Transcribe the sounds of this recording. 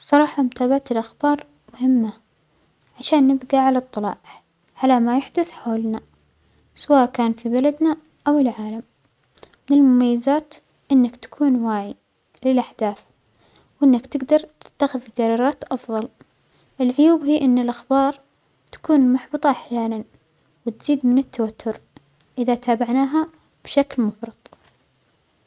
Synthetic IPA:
sˤːɑɾˤɑːħɑmʊt̪aːbaʕat̪ɪlʔaxbɑːɾˤ | mʊhɪmːa | ʕaʃaːnːɪbɡaʕalaɑt̪ˤːɨlɑ̰ːʕ | ʕalamajaħd̪ʊθħoːlna | sawaːʔkaːnfibalad̪na | ʔawɪlʕaːlam | mɪnɪlmʊmajːazaːt̪ | ʔɪnːakt̪ḁkʰuːnwaːʕi | lɪlʔaħd̪aːθ | wʔɪnːakt̪ɪɡd̪ɑɾˤt̪ɪ̥t̪ːaxɪðɪɡɑɾˤɑːɾˤɑːt̪ʔɑfðˤɑl | ʔɪlʕʊjuːbɦiːʔɪnːɪlʔaxbɑːɾˤ | t̪ḁkuːnmaħbɨt̪ˤɑʔaħjaːnan | wɪt̪z̥iːd̪mɪnɪt̪ʰːawat̪ʰːʊɾ | ʔɪðat̪ʰaːbaʕnaːɦa | b̥ʃaklmʊfɾˤɑd̪̚ˤ

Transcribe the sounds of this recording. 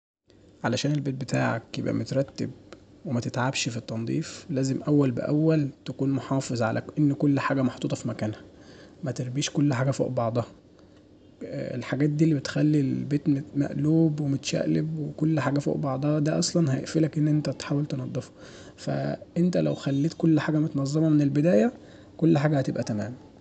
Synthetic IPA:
ʕalæʃæːnelbeːt̪̚bet̪aːʕḛkjḛbʔæ̰mot̪ɾˤɑt̪ːeb | wemæt̪et̪ʕabʃfit̪ˤːɑnd̪ˤiːflæːzemʔæwːælbḛʔæwːælt̪ækuːnmoħɑːfezˤʕalʔæ̰ʔenːkolːħaːɡæmɑħt̪ˤuːt̪ˤɑfimækæːnhæmæt̪eɾbiːʃkolːħaːɡæfo̰ːʔbɑʕd̪ˤɑhɑ | ḛlħaɡæːt̪̚d̪iːlːibet̪xælːilbeːt̪memæ̰ʔluːbwemot̪ʃæ̰ʔlebwekolːħaːɡæfo̰ːʔbɑʕd̪ˤɑhɑd̪æʔɑsˤlɑnɦæjḛʔfiːlækʔenːʔent̪æt̪ħaːwælt̪enɑd̪ˤːefɑ̥ | fæ̰ʔent̪ælæwxælːiːt̪kolːħaːɡæmot̪nɑzˤːɑmɑmenelbed̪æːjæ | kolːħaːɡæhæt̪ebʔæt̪æmæ̰ːmæ

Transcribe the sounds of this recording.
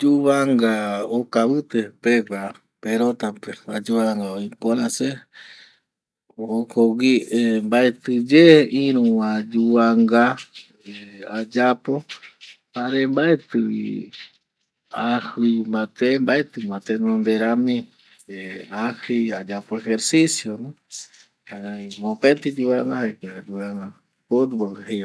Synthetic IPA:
d͡ʒuβaŋɡaokaβɨt̪epeɡʷa | peɾot̪apead͡ʒuβaŋɡaoĩkoɾãse | okowimbaet̪ɨd͡ʒeĩɾũwãd͡ʒuβaŋɡa | ead͡ʒapopaɾembaet̪ɨḭ | ahɨmat̪embaet̪ɨmat̪enõnd̪eɾamĩ | eahiad͡ʒapoeheɾsisjoñ | aaimõpent̪id͡ʒuwaŋɡahakead͡ʒuaŋɡa | pod̪bohe

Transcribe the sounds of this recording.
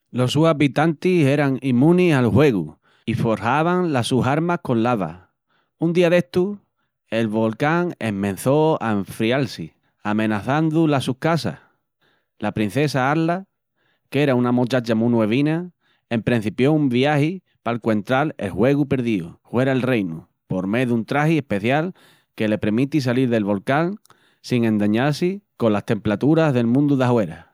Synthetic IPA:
lo̞suaβit̪ant̪ise̞ɾaŋimũnisalhwe̞ɣu | ifo̞ɾhaβaŋlasuɦaɾmakõ̞nlaβa̰ | und̪iaðe̞ht̪u | e̞lβo̞lkaŋe̞̰mmẽ̞n̟θo̞a̰eɱfɾialsi | amẽ̞naθand̪ulasuhkasa̰h | lapɾin̟θe̞saaɾla | ke̞ɾaunamot͡ʃat͡ʃamũnwe̞β̞ina | e̞mpɾẽn̟θipjo̞umbiahi | palkwe̞nt̪ɾale̞̰lhwe̞ɣupe̞ɾðiuhwe̞ɾaelrejnu | po̞ɾme̞ðunt̪ɾahie̞hpe̞θjal | ke̞le̞pɾemit̪is̬aliɾðe̞lβo̞lkaŋ | siŋẽ̞nd̪aɲalsiko̞nlaht̪e̞mplat̪uɾaɦðe̞lmũnd̪uðaɦwe̞ɾa̰

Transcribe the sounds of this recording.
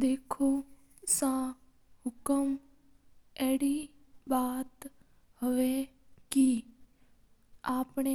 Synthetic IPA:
d̪eːkʰoː | sãː | hʊkəm | ɛːɽiː | baːt̪ | həʋeːki | aːpɳeː

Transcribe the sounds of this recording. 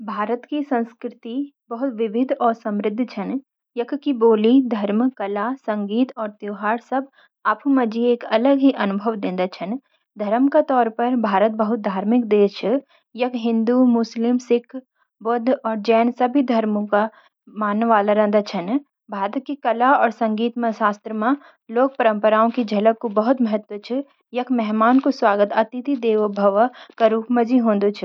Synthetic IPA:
bʱaːɾət̪kisɐ̃nskɾɪt̪i | bɐɦʊt̪ʋɪʋɪd̪ʱɔːɾsɐ̃mɾɪd̪ʱːt͡ʃʰɐn | jɐkkiboːlid̪ʱɐɾmkɐlasɐ̃ŋɡiːt̪ɔːɾt̪uːɦaːɾsɐb | apʰumɐd͡ʒieːkɐləɡɦiʔɐnʊbʱəʋd̪ẽːnd̪at͡ʃʰɐn | d̪ʱɐɾəmkat̪ɔːɾpɐɾbʱaːɾət̪̚bəɦʊt̪̚d̪ʱaːɾmɪk̚d̪eːʃ | jɐkɦɪ̃nd̪umʊslɪmsɪkʰ | bʊd̪ʱɔːɾd͡ʒɛːnsɐbʱid̪ʱɐɾmõka | maːnːʋaːlaɾə̃ːnd̪at͡ʃʰɐn | bʱaːɾət̪̚kikɐlaɔːɾsɐ̃ŋɡiːt̪mãʃaːst̪ɾəmã | loːk̚pɐɾə̃mpəɾaːõkid͡ʒʱɐləb̚kobɐɦʊt̪mɐɦət̪wət͡ʃʰɪ | jɐkʰmɛɦmaːnkoswaːɡət̪ɐt̪ɪt̪id̪eːʋbʱəʋkaɾuːpmɐd͡ʒiɦõːnd̪ot͡ʃʰi

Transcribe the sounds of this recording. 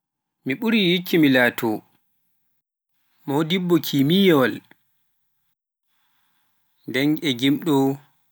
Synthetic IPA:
miɓuɾijikːimilaːtʰɔ | modibːɔkʰiːmijɔl | ndɛnɛɡimɗɔ

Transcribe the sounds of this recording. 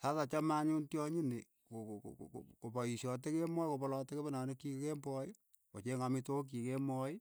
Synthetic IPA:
satat͡ʃamaɲuntjɔɲine | kokkopɔjisɔt̬ekemɔjkopɔlɔtekepanɔnekikembɔj | wɔt͡ʃeŋamitok̬ikemɔi

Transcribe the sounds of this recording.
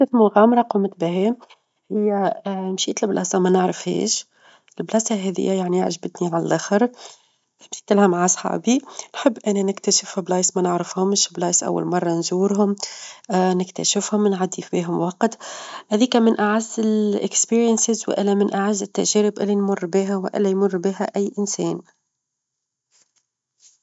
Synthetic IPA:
t̪ɪθmʊɣæːmɾˤɑqumt̪bɪɦɛːm | hɪjːæmʃiːt̪ɪlblʔɑːsɑmɛnəʕɾəfhɛ̰ːʃ | ɪlblɑːsɑɦɛðɪ̰jːæjaʕniʕʒbɪt̪niʕalælʔæːxəɾ | ɪmsi̥t̪ɪlhamʕasˤħɑ̰ːbinħɪbːʔænænɪkt̪æʃɪfblɑːsmɛnəʕɾəfhʊmʃblɑːsʔa̰wːa̰lmɑrˤːɑnzuːɾɦʊm | nɪkt̪æ̰ʃɪfhʊmnʕad̪ːifbiːɦʊmwɑqt̪hɛːðiːkæmɪnʔaʕazːɪlʔɪ̰kspiːɾjənsɪzwɪ̰ʔɪlːæmɪnʔaʕazːɪt̪ːæ̰ʒɛːɾɪbʔɪlːinmʊrːbiːɦæwʔɪ̰lːæjmʊrːbiːɦæʔæjːʔɪnsɛːn

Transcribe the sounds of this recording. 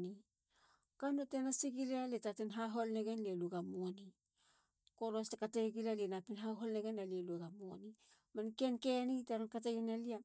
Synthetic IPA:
ni | kanotenasiɡilaletatenɦaɦo̞lneɡenleluɡamoni | koɾostakateɡilalenapinɦaɦolneɡenːalieluɡamoni | mankenkenitaɾonkat̬eɡenalia

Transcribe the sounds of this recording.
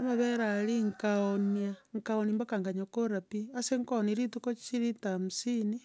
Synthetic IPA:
amaβeɾaliŋkaoniaŋkaonimbakaŋɡaɲakoɾapiaseŋkoniɾitukot͡ʃiɾitamusini

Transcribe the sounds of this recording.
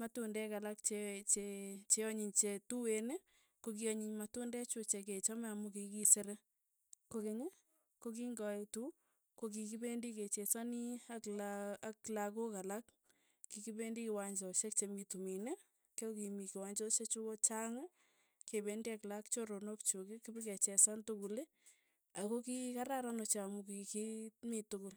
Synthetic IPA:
matundɛkalakt͡ʃet͡ʃet͡ʃeɔɲiɲt͡ʃetuwene | kok̬iɔɲiɲmatundɛt͡ʃut͡ʃek̬et͡ʃamɛamukikiseɾe | kokeɲe | kok̬iŋɡɔetu | kok̬ikibendiket͡ʃet͡ʃaniaklaaklakokalak | kikibendikiwaɲd͡ʒɔʃek̚t͡ʃemitumine | kekimikiwaɲd͡ʒɔʃet͡ʃukot͡ʃaŋ | kebendiaklakt͡ʃoɾonokt͡ʃukikibiket͡ʃɛsantʊkule | akokikaɾaɾanot͡ʃamuk̬ikimitʊkʊl

